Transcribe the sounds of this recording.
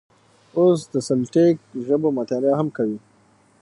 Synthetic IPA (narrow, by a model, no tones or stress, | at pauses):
osd̪əsalʈek̚ʒəbomat̪ɑɾaɦamkawi